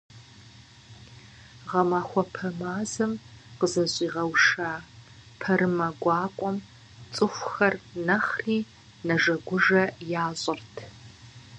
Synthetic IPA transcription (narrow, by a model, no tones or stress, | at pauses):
ʁɐmaːxʷɔpʰɐmaːzɨmqəzɐɕʼiːʁɐwʂaː | pʰɐɾɨmɐɡʷɑːkʷʼɔm | t͡sʼɨxʷxɐrnɐχriː | nɐʐɐɡʷʊʐɐjaːɕʼɪrtʰ